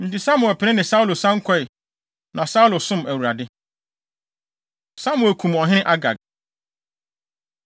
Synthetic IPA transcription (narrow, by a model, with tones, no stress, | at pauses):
n̩˨tɪ˨sa˦mʊ˨ɛ˨pʰɪ˨ɪ̃˦nɪ̃˨sa˦u˦lo˨sã˦ŋ̩˦kʷʰɔ˦ɪ˨ | nʔã˨sa˦u˦lʊ˨sʊ̃˦mæ˨wu˨ɾa˨dɪ˦ | sa˦mʊ̃˨ɛ˨kʰũ˨mɔ˨ɦɪ̃˦ʔa˦ɡa̰˨ɡ